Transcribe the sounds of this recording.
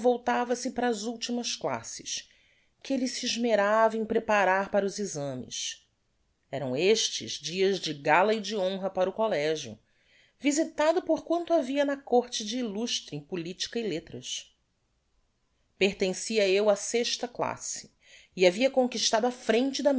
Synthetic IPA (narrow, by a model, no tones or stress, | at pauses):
vowt̪avɐsɪpaɾɐːzuwt͡ʃimɐskla̰sɪ̥s | kɪelisiːʒmeɾavɐẽj̃pɾepaɾaɾpaɾɐʊzizɐ̃mɪ̰s | ɛɾɐ̃w̃eʃt͡ʃɪ̰zd͡ʒiɐzd͡ʒɪɡalɐid͡ʒiõɦɐpaɾʊkolɛʒjʊ̰ | vizit̪ad̪ʊpoχkwɐ̃nt̪ʊaviɐnɐkoɾt͡ʃɪd͡ʒɪːluʃt̪ɾẽpulit͡ʃi̥kɐilet̪ɾɐs | peɾt̪ẽsiɐewɐseʃt̪ɐkla̰sɪ̥ | iaviɐkõŋkiʃt̪ad̪ʊafɾẽnt͡ʃɪd̪ɐm